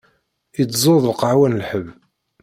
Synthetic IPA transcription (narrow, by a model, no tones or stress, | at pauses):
it͡sːzˤoðˤlqəʕwænlħəv